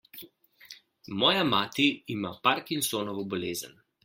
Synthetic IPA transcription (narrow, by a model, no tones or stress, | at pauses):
mɔːjamaːt̪iːmapaɾkinsoːnɔʋɔbɔleːzə̰n